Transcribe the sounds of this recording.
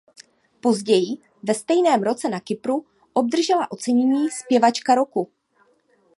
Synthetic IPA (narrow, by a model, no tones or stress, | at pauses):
po̞zɟɛjɪ | vɛst̪ɛjnɛːmɾo̞t͡sɛnakɪpɾu | ʔo̞b̚d̪r̩ʒɛlaʔo̞t͡sɛɲɛɲiːspjɛvat͡ʃkaɾo̞ku